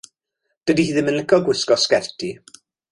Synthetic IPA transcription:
d̥ədihiːðɪnmənlɪkʰɔɡwɪskɔskɛrtʰi

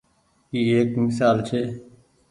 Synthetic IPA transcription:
iːeːkmɪsaːlt͡ʃʰeː

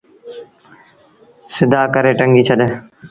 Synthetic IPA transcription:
sɪd̪aːkəɾeːʈəŋɡiːt͡ʃʰəd̪eː

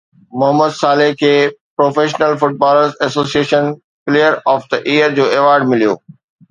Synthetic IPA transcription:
mʊɦəmːəd̪saːleɦkʰeːpɾoːfeːʃnəlfʊʈ̚bɔːləɾzɛsoːsieːʃən | plejəɾɔːfd̪əʔiːəɾd͡ʑoːeʋaːɾɖmɪlijo̰ː

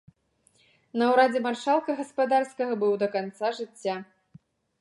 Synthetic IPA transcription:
nɐwɾad͡zʲɛmarʂalˠkɐɣɐspad̪arskɐɣɐbɨwd̪ɐkant̪saʐɨt͡sʲːa

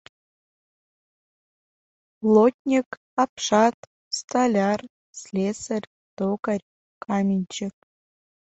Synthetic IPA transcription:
plˠot̚ʲnʲik | ɑpʂɑt̪ | st̪alʲɑr | slʲesərʲ | t̪okərʲ | kʰɑmʲinʲt͡ɕek

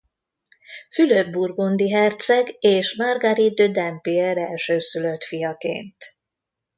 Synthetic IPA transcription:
fylørburɡond̪iɦɛrt̪sɛɡeːʃmarɡaɾid̪ød̪ɛmpiɛɾɛlʃøːsyløt̪fijɒkḛːnt̪

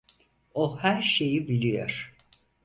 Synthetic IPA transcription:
ohæɾʃe̞jibilʲijo̰ɾ̥

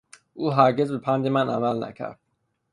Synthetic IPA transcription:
ʔuːɦæɾɟe̞zbepʰænd̪emænʔæ̰mælnæ̰cʰæ̰ɾd̪̥̚

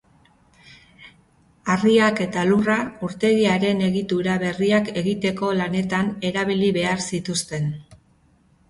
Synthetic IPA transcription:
ariake̞t̪alurauɾt̪e̞ɣiaɾe̞ne̞ɣit̪uɾaβe̞riake̞ɣit̪e̞ko̞lane̞t̪ane̞ɾaβ̞iliβe̞aɾsit̪ust̪e̞n

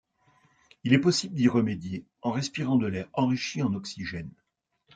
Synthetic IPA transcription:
ilɛpɔsibləd̪iʁəmed̪je | ɑ̃ʁɛspiʁɑ̃d̪əlɛʁɑ̃ʁiʃiɑ̃nɔksiʒɛn

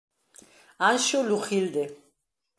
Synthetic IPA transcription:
anʃɔluχild̪ɛ

